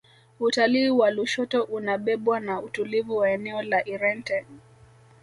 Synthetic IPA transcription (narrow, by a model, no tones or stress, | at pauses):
utaliːwaluʃɔtɔʔunaɓɛɓwanautulivuwaɛnɛɔlaʔiɾɛntɛ